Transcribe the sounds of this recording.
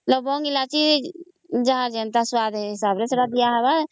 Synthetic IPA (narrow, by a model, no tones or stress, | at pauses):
ət̪ləbːɔŋɡilat͡ʃi | d͡ʒəɦãd͡ʒent̪aswaːd̪ɦɪsaːblet̪ʰoɽad̪ijaɦɛba